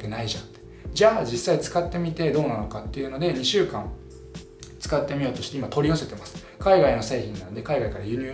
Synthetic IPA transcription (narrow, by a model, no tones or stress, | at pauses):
kenaiʑãt̪e | d͡ʑaːd͡ʑisːait͡sɨ̥kat̪ːe̞mʲit̪e̞d̪o̞ːnano̞kat̪ːe̞jɯ̟no̞d̪e̞ɲ̟iɕɨːkãŋ | t͡sɨ̥kat̪ːe̞mʲio̞ːt̪o̞ɕi̥t̪eimat̪o̞ɾʲiose̞t̪e̞masɨ̥ | kaiɡaino̞se̞ːçĩnːano̞d̪e̞kaiɡaikaɾajɯ̟ɲ̟ɨː